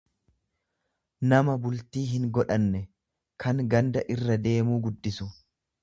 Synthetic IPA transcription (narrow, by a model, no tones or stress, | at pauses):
nɐmɐbʊlt̪iːɦɪŋɡɔᶑɐnːɛ | kʰɐŋɡɐnd̪ɐʔɪrːɐd̪e̞ːmuːɡʊd̪ːɪsʊ